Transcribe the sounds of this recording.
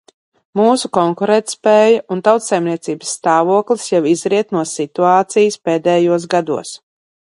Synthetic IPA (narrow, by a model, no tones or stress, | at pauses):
muːsukɔŋkuɾɛt̪spɛːjaʔunt̪awt̪sajmniɛt̪siːbəsːt̪aːvuɔklˠisjɛwizɾiɛt̪nuɔsit̪uaːt̪sijspeːd̪ɛːjuɔsɡad̪ṵɔs